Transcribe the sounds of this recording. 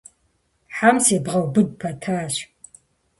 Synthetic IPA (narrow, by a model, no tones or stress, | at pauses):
ħaːmseːbʁɐwbɨd̚pʰɐtʰaːɕ